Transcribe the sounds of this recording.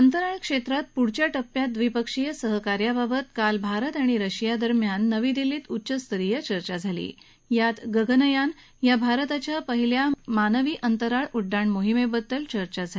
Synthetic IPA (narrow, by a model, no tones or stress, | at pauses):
ənt̪əɾaɭkʂet̪ɾat̪̚puɽ̤t͡ɕjaʈəpːjat̪̚d̪ʋipəkʂijəsəɦəkaɾjabʱabət̪kalbʱaɾət̪aɽ̃iɾəɕijad̪əɾmjanːəʋid̪iliːt̪utːɕəst̪əɾijət͡ɕəɾt͡ɕad͡zʱalḭ | jat̪ɡəɡənəjan | jabʱaɾət̪at͡ɕjapəɦiljamanəʋiːʔənt̪əɾaɭuɖːaɳmoɦimebəd̪ːəlt͡ɕəɾt͡ɕad͡zʱal